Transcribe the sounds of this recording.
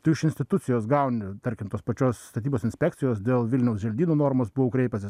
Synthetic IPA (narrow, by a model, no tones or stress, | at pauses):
t̪ɐɪɪʃɪnsʲt̪ʲɪt̪ʊtt͡s̪ʲɪjoːsɡɐʊnʲɪt̪ɐɾʲkʲɪmt̪oːspɐt͡ʃʲoːsːt̪ɐt̪ʲiːboːsɪnʲsʲpʲækt̪sʲɪjoːsd̪ʲeːlˠʋʲɪlʲnʲɛʊsʒʲɛlʲd̪ʲiːnuːnoːɾmoːsbʊʋokɾʲɛɪpʲɐsʲɪs